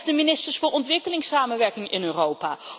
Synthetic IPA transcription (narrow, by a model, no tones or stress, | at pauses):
dəminɪstəɹsfʊːɹɔntʋɪkəlɪŋsaːmənʋɛɹkɪŋɪnøːrowpaː